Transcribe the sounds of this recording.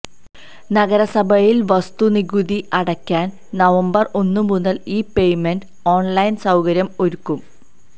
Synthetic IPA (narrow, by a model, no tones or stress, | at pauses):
nɐɣɐɾɐsɐbʱɐjilʋɐst̪uniɣuðiʔɐɽɐkʲːaːn | nɐʋɐmbɐro̞nːɨmunːɐliːpe̞jmenɖ | oːɳlɐjnsɐwkɐɾjɐmo̞ɾukːum